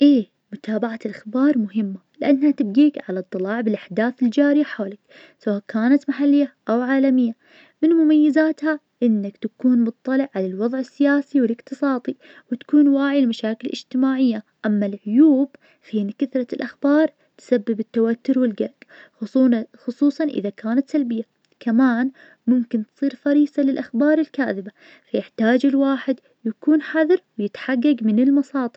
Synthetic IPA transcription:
ʔeː | mʊt̪ʰaːbaʕalʔaxbɑːɾˤmʊɦɪmːalɪʔanːhat̪ɪbɡiːkʕalat̪ˤːɨlɑːʕbɪlʔaħd̪aːθɪld͡ʒaːɾɪjaħaːlɪk | sawaːʔkʰaːnat̪maħalːɪjːaʔawʕaːlamɪjːa | mɪnmʊmajːɪzaːt̪ha | ʔɪnːakt̪akuːnmʊt̪ˤːɑlɪʕʕalalwɑðˤʕɪsːɪjaːsiwɪlɪqt̪ɨsˤɑːt̪ˤi | wɪt̪ḁkuːnwaːʕilmaʃaːkɪlʔɪ̰d͡ʒt̪ɪmaːʕɪjːaʔamːalʕʊjuːb | fiːnkaθɾˤɑlʔaxbɑːɾˤ | t̪sabːɪbɪt̪ːawat̪ːʊɾwɪlɡaɾɡxʊxʊsˤuːsˤɑnʔɪ̰ðakaːnat̪salbɪjːa | kamaːn | mʊmkɪnt̪sˤiːɾfɑɾiːsalɪlʔaxbɑːɾˤɪlkaːðɪba | fajɪħt̪aːd͡ʒɪlwaːħɪd̪ | jakuːnħaðɾwjɪt̪ħaɡːaɡmɪnɪlmɑsˤɑːt̪ˤɨ

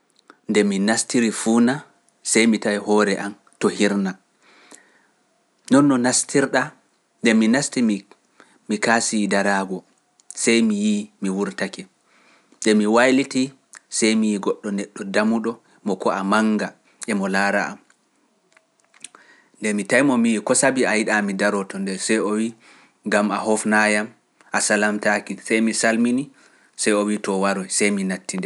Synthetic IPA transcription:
ndɛminastiɾifuːna | sɛjmitajhɔɾɛʔan | tɔhiɾna | nɔnːɔnastʰiɾɗa | ndɛminasti | mikasidaɾaɡɔ | sajmijimiwuɾtakɛ | ndɛmiwajliti | sɛjmijiɡɔɗːɔnɛɗːɔdamuɗɔ | mɔkɔamaŋɡa | ʔɛmɔlaːɾaam | ndɛmitajmɔmijikɔsabiajiɗamidaɾɔtɔndɛsɛjowi | ŋɡamahɔfnajam | ʔasalamtakisɛjmisalmini | sɛjowitɔwaɾɔjsɛjminatːindɛ

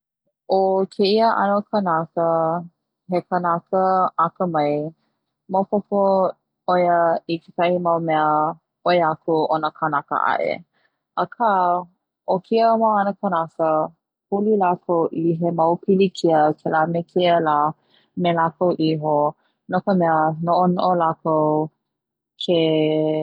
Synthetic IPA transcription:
okʰeiəʔa̰nəkʰənakə | ɦekənakəakəmɐj | mawpopo | ojəikekahimawmɛə | oeakʰuʔonəkʰanakə̰ʔa̰ʔḛ | ʔəkʰa | ʔokʰiəwaanəkʰənasə | hulilakʰəwʔiɦemɐwpʰilikʰiəkʰelamekʰiəla | melakəwʔiɦo | nokəmɛənoʔonoʔolakow | kʰe

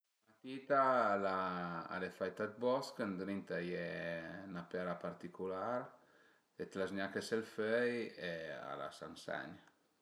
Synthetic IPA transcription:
mat̪it̪alaa̰lefajt̪at̪̚bɔskənd̪ɾint̪ajenapɛɾapaɾt̪ikulaɾ | et̪laznakeselføjea̰la̰sa̰nsɛ̰ɲ

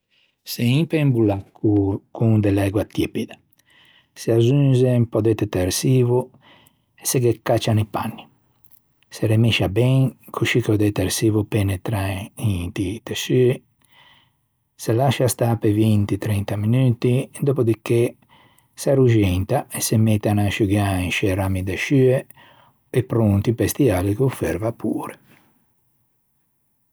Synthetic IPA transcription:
seimpembulakukuŋd̪ɛlɛɡwat̪jɛpid̪a | seazunzɛmpɔd̪ɛt̪ːɛt̪ɛɾsiːvu | ɛsɛɡɛkːat͡ʃːanipa̰nːi | sɛɾɛmiʃabɛŋkʰuʃikɔd̪ɛt̪ɛɾsiːvupɛnɛt̪ɾaĩt̪it̪ɛʃy | selaʃast̪apevint̪it̪ɾɛnt̪aminyːt̪id̪opod̪ike | saɾuʒɛnt̪aesemɛt̪ːanaʃuɡaiʃɛɾamid̪eʃye | epːɾunt̪ipɛst̪ialikufɛ̰ɾvapʰṵːɾe

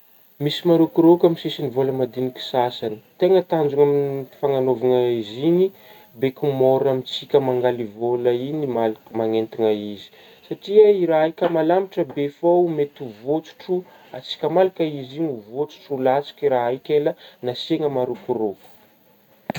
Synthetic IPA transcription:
misimaɾukuɾokamisisinivoləmad̪iniki̥sasani̥t̪eŋət̪and͡zuŋaminfaŋanovuŋaizini | bekumoɾamit͡sikʲəmaŋɡalivoləinimalmaŋent̪iŋaizi̥ | saʈ͡ʂiəiɾaikʲəmalamiʈ͡ʂəbefowmet̪uvot͡su̥ʈ͡ʂu | at͡si̥kʲəmalakəizinivot͡su̥ʈ͡ʂulat͡si̥kiɾaajkʲelənaseŋəmaɾukuɾoku̥

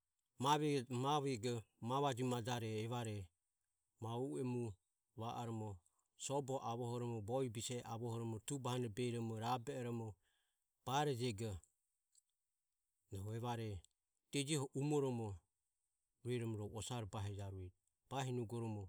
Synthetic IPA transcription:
maβɛmaβɛɡɔmaβad͡ʒimad͡ʒaɾɛːβaɾɛ | mauɛmu | βaʔaɾɔmɔ | sɔbɔʔaβɔhɔɾɔmɔbɔibisɛʔaβɔhɔɾɔmɔt̪ubahanɛbɛiɾɔmɔɾabɛɛɾɔmɔ | b̥aɾɛd͡ʒɛɡɔ | nɔɔɛβaɾɛ | d̪̥ɛd͡ʒihɔʔumɔɾɔmɔ | ɾuɛɾɔmɔɾɔɔsaɾɔbaɦɛd͡ʒaɾuɛ | b̥aɦinuɡɔɾɔmɔ

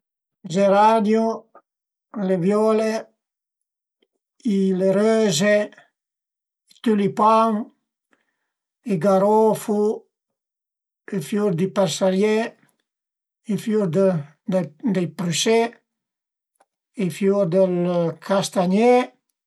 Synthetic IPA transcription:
d͡ʒeɾad̪ju | levjɔle | ileɾøze | it̪ulipaŋ | eɡaɾɔfu | efjuɾd̪ipaɾsaɾje | ifjuɾd̪ | d̪d̪epɾyse | ifjuɾd̪əlkʰast̪aɲe

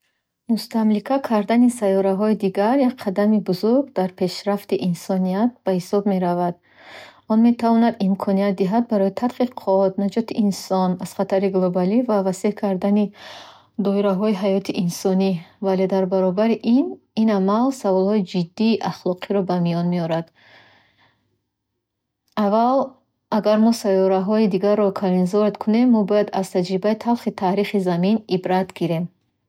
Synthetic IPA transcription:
must̪amlikʰakʰaɾd̪anisajɔɾaɦɔid̪iɡaɾjak̚qʰad̪amibuzuɾɡd̪aɾpʰe̞ʃɾaft̪iʔinsɔnijat̪̚b̥ahisɔbme̞ɾavad̪ | ɔnme̞t̪ʰavɔnad̪imkʰɔniat̪̚d̪iɦad̪̚baɾɔjit̪ʰat̪qiqʰɔt̪̚nad͡ʒɔt̪ʰiʔinsɔnaz̥χat̪ʰaɾiɡlˠobalivavasehkʰaɾd̪ani | d̪ɔiɾaɦɔiɦajɔt̪ʰiʔinsɔnivale̞d̪aɾbaɾɔbaɾiʔin | inamalsavɔlˠhɔid͡ʒid̪ːiːʔaχlˠɔqʰiɾɔbamijɔnmeɔɾad̪ | aval | aɡaɾmɔsajɔɾaɦɔid̪iɡarːɔkʰaɾinzɔɾd̪kʰune̞mːɔbɔjad̪az̥t̪ʰad͡ʒɾibait̪ʰalχit̪ʰaɾiχizaminibɾat̪ɡiɾe̞m

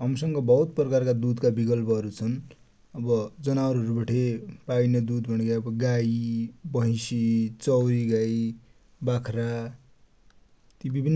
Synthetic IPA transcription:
ɦʌmsʌŋɡʌbʌut̪̚prʌkarkad̪ud̪kabikʌlpʌɦʌɾut͡sʰʌn | ʌbʌd͡zʌnaʌɾʌɾubaʈʰepainʌd̪ud̪bʱʌnekaʌbʌɡajbʌɦj̃sit͡sʌwɾiɡaj | bakʰɾa | t̪jibibʱinː

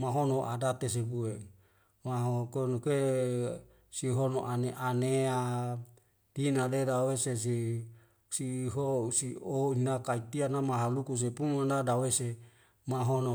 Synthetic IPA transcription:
maɦonoʔadat̪es̬ebue | maɦokenokue | siɦono̰ʔaneʔanea | d̥inadedaweses̬i | siɦosioinakait̪ianamaɦalukus̬epumanadawese | maɦono

